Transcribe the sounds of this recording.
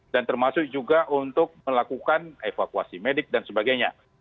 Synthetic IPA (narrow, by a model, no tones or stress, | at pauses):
dant̪ərmasʊk̚d͡ʒuɡaʔunt̪ʊk̚məlakukanefakuasimedɪk̚dansəbaɡajɲa